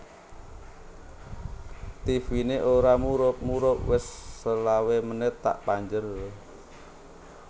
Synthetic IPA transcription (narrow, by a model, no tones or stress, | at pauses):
t̪ifineʔoɾamuɾʊp̚muɾʊp̚wɪsːəlawemənɪt̪ːa̰ʔpaɲd͡ʒər